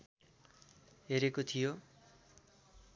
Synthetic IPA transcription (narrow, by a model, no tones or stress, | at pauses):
ɦeɾekot̪ʰijo